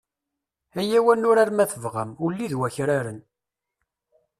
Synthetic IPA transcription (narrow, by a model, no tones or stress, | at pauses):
æjæwænːʊɾaɾmæθəvʁə̰mʊlːiðwæçɾaɾən